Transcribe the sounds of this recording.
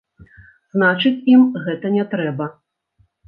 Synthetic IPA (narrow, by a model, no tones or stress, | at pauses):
znat͡ʂɨt͡sʲimɣɛt̪ɐnʲɛt̪ɾɛbɐ